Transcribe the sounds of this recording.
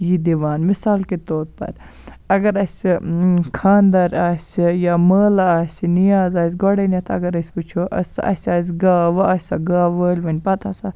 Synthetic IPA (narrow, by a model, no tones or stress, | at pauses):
jid̪iʋaːnmisaːlkit̪oːt̪̚pɐ̰ɾ | ɐɡɐɾɐsʲikʰaːnd̪ɐɾaːsʲijaməːlaːsʲinijaːzaːs̬ʲɡoɽɐnɐt̪ʰɐ̰ɡɐɾɐsʲput͡ʃʰoʔɐ̰sɐ̰sʲaːs̬ɡaːʋɐasʲɐɡaːʋəːlʲʋɐnʲpɐt̪ʰɐsa